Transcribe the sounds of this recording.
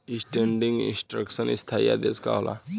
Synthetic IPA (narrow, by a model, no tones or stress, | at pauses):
isʈeɳɖiŋɡḭnsʈɾəksənist̪ʰaja̰d̪eska̰ɦolʔa̰